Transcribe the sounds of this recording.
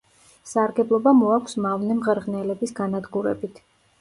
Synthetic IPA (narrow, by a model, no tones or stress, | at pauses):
saɾɡɛblˠɔbamɔakʷʰsmavnɛmʁɛɾʁnɛlɛbisɡanad̪ɡuɾɛ̰bit̪ʰ